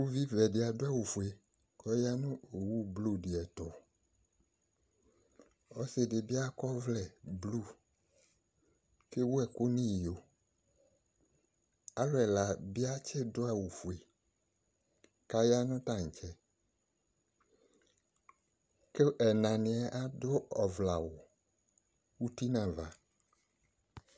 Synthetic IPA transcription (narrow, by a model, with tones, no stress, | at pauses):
wu˦vi˦vɛ˨dɪ˨a˨do˦a˦˨wu˨fu˨e˨ | kɔ˦ja˦nũ˦o˨wu˦blu˦˨di˨ɛ˨t̪ɔ˨ | ɔ˦se˨dɪ˨bi˦a˦kɔ˦vlɛ˨blu˦˨ | ke˦wu˦ɛ˨ko˦nĩ˦˨jo˨ | a˦ɾɛ˨la˨bi˦a˦t͡ʃɛ˦dʊ˦a˨wu˨fu˨e˨ | ka˦ja˦nʊ̃˦ta˨ŋ̩˨t͡ʃɛ˦ | ke˦ʔɛ˨nã˨nɪ̃˨a˨ʔa˦dʊ˦ɔ˨vla˨wʊ˨ | wu˦ti˦nã˨va˨